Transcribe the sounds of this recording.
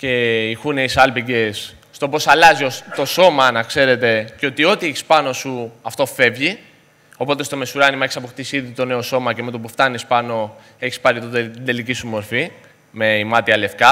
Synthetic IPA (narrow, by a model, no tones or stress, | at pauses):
ce̞ixune̞isɐlpiɟe̞sː | t̪o̞po̞sɐlɐziot̪o̞so̞mɐnɐkse̞ɾe̞t̪e̞ceo̞t̪io̞t̪ieçi̥spɐno̞suɐft̪o̞fe̞vʝi | o̞po̞t̪est̪o̞mesuɾɐnimɐeçisɐpo̞xt̪isiðit̪o̞ne̞o̞so̞mɐceme̞t̪opuft̪ɐnispɐno̞ | e̞çi̥spɐɾit̪ot̪ind̪e̞licisumo̞ɾfi | me̞imɐt̪iɐle̞fkɐ